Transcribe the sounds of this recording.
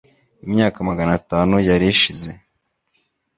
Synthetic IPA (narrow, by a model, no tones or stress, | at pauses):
imɲaːkamaɡanataːnujaɾiiʃize̞